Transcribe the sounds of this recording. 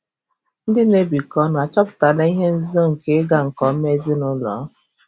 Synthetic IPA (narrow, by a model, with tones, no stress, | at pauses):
n̩˦dɪ˦ne˦bi˨kɔ˦n˨a˨t͡ʃɔ˦pʊ̥˨ta˨na˦i˦ɦe˦n̩˦zɔ˦ŋ̩˨ke˦ɡa˨ŋ̩˨kɔ˦me˦zɪ˦nʊ˦lɔ̰˨˦